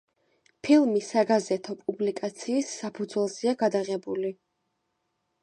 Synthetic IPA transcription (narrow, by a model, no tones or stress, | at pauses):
pʰilˠmisaɡazɛt̪ʰɔpʼublikʼat̪sʰiːsːapʰud̪zwɛlˠziaɡad̪aʁɛbuli